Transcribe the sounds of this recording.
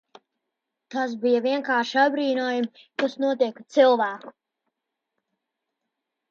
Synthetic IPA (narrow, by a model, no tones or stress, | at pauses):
t̪as̬bijaviɛŋkaːɾʃiabɾiːnuɔjumkasnuɔt̪iɛkt̪silˠvæːku̥